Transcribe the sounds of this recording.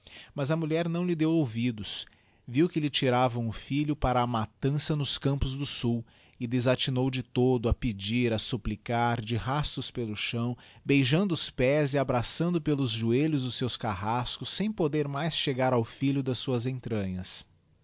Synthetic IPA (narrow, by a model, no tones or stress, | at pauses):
mɐzɐmuʎɛɾnɐ̃w̃lɪd̪ewowvid̪ʊs | viwkɪlɪt͡ʃiɾavɐ̃ʊfiʎʊpaɾɐːmat̪ɐ̃sɐnʊskɐ̃mpʊzd̪ʊsuw | ɪd̪ezat͡ʃinowd͡ʒɪt̪od̪ʊɐpɪd͡ʒiɾɐsuplikaɾd͡ʒɪhast̪ʊspelʊʃɐ̃w̃bejʒɐ̃nd̪ʊʊspɛziabɾasɐ̃nd̪ʊpelʊzʒueʎʊzd̪ʊsewskaɦaskʊsːẽj̃pod̪eɾmajsʃeɡaɾawfiʎʊd̪ɐsuɐzẽnt̪ɾɐ̃ɲɐs